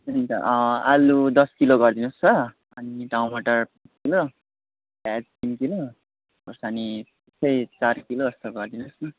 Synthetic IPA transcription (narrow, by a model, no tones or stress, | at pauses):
unt̪ʌʌ̃alud̪ʌskiloɡʌrd̪inust͡sʌ | ʌniɖawnmʌʈʌrpat͡skilo | pad͡zkimkilo | bʌsani | esʌjt͡sarkiloʌst̪oɡʌrd̪inusʌ